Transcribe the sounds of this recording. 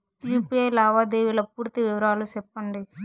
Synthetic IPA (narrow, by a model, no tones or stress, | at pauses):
juːpiejlaːʋaːd̪eːʋilɐpuːɾt̪iʋiʋɐɾaːlusɛpːɐɳɖi